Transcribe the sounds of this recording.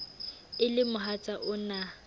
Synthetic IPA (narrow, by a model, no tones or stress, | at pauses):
ɪlɪmʊɦat͡sʼaʔʊna